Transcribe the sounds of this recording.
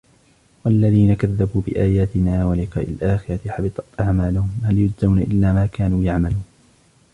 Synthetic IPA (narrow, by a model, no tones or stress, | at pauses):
walːaðiːnakaðːabuːbɪʔaːjaːt̪ɪnaːwalɪqɑːʔɪlʔaːxɪɾˤɑt̪ɪħɑbɪt̪ˤɑt̪ʔaʕmaːlʊhʊmhaljʊd͡ʒzawnaʔɪ̰lːaːmaːkaːnuːjaʕmaluːn